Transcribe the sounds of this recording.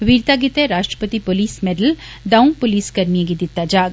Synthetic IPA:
ʋiːɾt̪aɡit̪eɾaːʃʈɾə̥pət̪ipoliːsmeɖəl | d̪ɐwmpoliːskɐɾmijeɡid̪it̪ːad͡ʒaːɡ

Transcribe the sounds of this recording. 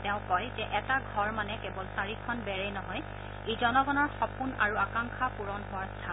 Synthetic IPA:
tɛ̃ʊ̃kɔjzɛʔɛtaɡʱɔɹmanɛkɛbɔlsaɹikʰɔnbɛɹɛjnɔɦɔj | ezɔnɔɡɔnɔɹxɔpunaɹuakaŋkʰapuɹɔnɦʊwaɹstʰa

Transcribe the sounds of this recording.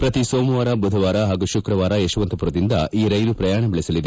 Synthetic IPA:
pɾɐt̪isoːmuʋaːɾɐbud̪ʱɐʋaːɾɐɦaːɡuʃukɾɐʋaːɾɐjeʂuʋɐnt̪ɐpuɾɐd̪ind̪ɐiːɾɐjɾupɾɐjaːɳɐbɛɭisɐlid̪e

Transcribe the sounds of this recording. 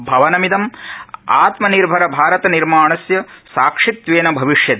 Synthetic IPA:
bʱɐʋɐnɐmid̪ɐma̰ːt̪mɐniɾbʱɐɾɐbʱaːɾɐt̪ɐniɾmaːɳɐsjɐsaːkʂit̪ʋeːnɐbʱɐʋiʂjɐd̪

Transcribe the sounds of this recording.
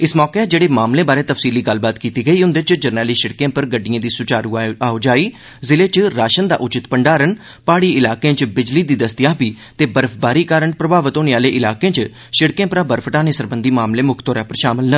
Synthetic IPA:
ɪsmɔːkeːd͡ʒeːɽeːmaːmlẽːbaːɾeːt̪əfsiːliːɡəlbaːt̪kiːt̪iːɡəiːʊnd̪et͡ʃd͡ʒəɾnɛːliːʃɪɽkẽːpəɾɡəɖːijãːd̪iːsʊt͡ʃaːɾuːaːod͡ʒaːiː | zɪleːt͡ʃɾaːʃənd̪a̰ːʔʊt͡ʃɪt̪pəɳɖaːɾən | paːɽiːɪlaːkẽːt͡ʃbɪd͡ʒliːd̪iːd̪əst̪ɪjaːpiː | t̪eːbəɾəpʰbaːɾiːkaːɾəɳpɾəbaːʋət̪ɦoːneːaːleːʔɪlaːkẽːt͡ʃ | ʃɪɽkẽːpəɾaːbəɾpʰəʈaːnẽːsəɾbənd̪iːmaːmlẽːmʊkʰt̪oːɾɛːpəɾʃaːmɪlnə

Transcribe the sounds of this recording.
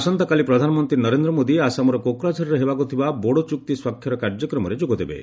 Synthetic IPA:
sɔnt̪ɔkalipɾɔd̪ʱanɔmɔnt̪ɾinɔɾend̪ɾɔmod̪iasamɔɾɔkokɾad͡ʒʱɔɾɔɾeɦebakut̪ʰibaboɽot͡ʃuk̚t̪iswakʰjɔɾɔkaɾd͡ʒɔkɾɔmɔɾed͡ʒuɡɔd̪ebḛ

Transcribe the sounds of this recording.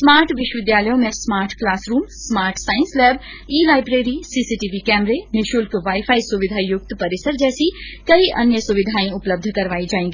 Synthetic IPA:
smaːɾʈʋɪʃwəʋɪd̪jaːləjõmẽsmaːɾʈklaːsɾuːmsmaːɾʈsaːɪ̃nslɛːb | iːlaːɪbɾeːɾisisiːʈiːʋikɛːmɾenɪʃʊlkʋaːifʰaːisuʋɪd̪ʱaːijʊk̚t̪pɐɾɪsəɾd͡ʒɛːsikɐiʔɐnjəsuʋɪd̪ʱaːĩʊpləb̚d̪ʱkɐɾʋaːid͡ʒaːẽŋɡiː

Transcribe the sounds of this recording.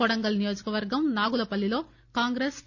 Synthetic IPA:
ɔɽɐŋɡɐlnijo̞ːd͡ʒɐkɐʋɐɾɡɐmnaːɡulɐpɐlːilo̞ː | kaːŋɡɾes

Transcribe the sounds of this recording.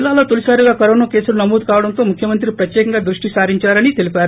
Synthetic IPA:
lːaːloːt̪olisaːɾiɡaːkɐɾoːnɐke̞ːsuɾunɐmoːd̪ukaːʋɐɽɐnt̪o̞ːmukʰjɐmɐnt̪ɾipɾɐt̪jɛːkɐŋɡaːd̪ɾuʂʈisaːɾiɲt͡ʃaːɾɐnit̪e̞lipaːɾu

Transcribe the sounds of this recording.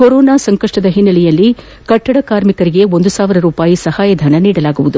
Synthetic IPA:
koɾoːnaːsɐŋkɐʂʈɐd̪ɐɦinːɐlɛjɐlːi | kɐʈːɐɽɐkaːɾmikɐɾiɡe̞ond̪usaːʋiɾɐɾuːpaːjisɐhaːjɐd̪ʱɐːnɐniːɽɐlaːɡuʋud̪u

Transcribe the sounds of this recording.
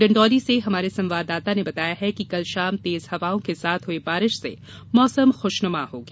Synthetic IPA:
ɖɐ̃ɳɖɔːɾiseɦɐmaːɾesɐ̃mʋaːd̪ːaːt̪anebɐt̪aːjaɦɛkikɐlʃaːmt̪eːzhɐʋaːõkesaːt̪ʰɦʊebaːɾɪʃsḛ | mɔːsəmxoːʃnʊmaɦoːɡeː

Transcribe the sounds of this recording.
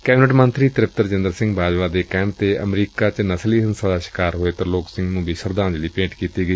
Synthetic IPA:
kɛːbɪnəʈmənt̪ɾiːt̪ɾɪp̚t̪əɾd͡ʒɪnd̪əɾsɪ̃ŋɡbaːd͡ʒʋaːd̪eːkɛːɳt̪eːə̰mɾiːkaːt͡ʃnəsliːɦənsad̪aːʃɪ̥kaːɾɦoːeːt̪əɾloːksɪ̃ŋɡnũːbʱiːʃəɾd̪ãːnd͡ʒliːpẽːʈkiːt̪iːɡəiː

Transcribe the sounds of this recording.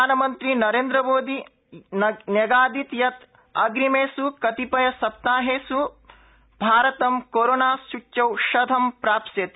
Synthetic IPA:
aːnɐmɐnt̪ɾinɐɾeːnd̪ɾɐmoːd̪i | nnjɐɡaːd̪it̪jɐt̪ | ɐɡɾimeːsukɐt̪ipɐjɐsɐp̚t̪aːɦeːsu | bʱaːɾɐt̪ɐmkoːɾoːnaːsut͡ʃːɐwʃɐd̪ʱɐmpɾaːpsjɐt̪i

